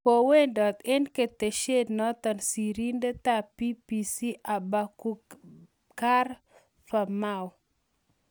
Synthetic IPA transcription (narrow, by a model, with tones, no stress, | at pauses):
po˨we˦ndɔ˨t̪e˦nke˨t̪e˨ʃe˦dnɔ˦t̪ɔ˨nsi˨ɾi˦nde˦t̪a˨pi˦pi˨si˦ʔa˨ba˨ku˨ | ka˦r | fa˨ma˦w